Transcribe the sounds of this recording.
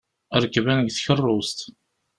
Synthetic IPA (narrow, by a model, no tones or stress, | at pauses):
əɾˤkːvænəɡθçərˤːost̪